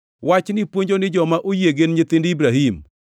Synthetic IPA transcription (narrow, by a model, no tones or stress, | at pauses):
wat͡ʃnɪpwoɲd͡ʒonɪd͡ʒɔmaʔojeɡenɲet̪ɪndibɾaɦim